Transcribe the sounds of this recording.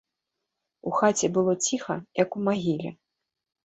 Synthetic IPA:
uxat͡sʲɛbɨlˠɔt͡sʲixɐjɐkumaɣʲilʲɛ̰

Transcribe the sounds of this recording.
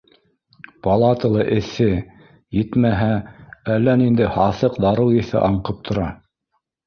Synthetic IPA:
pɑlˠɑt̪ɤlˠɤʔɘ̆θɘ | jɘt̪mæɦæælːænind̪ɘhɑθɤqd̪ɑɾɤwiθɘ̰ʔɑɴqɤp̚t̪ʰŏɾɑ

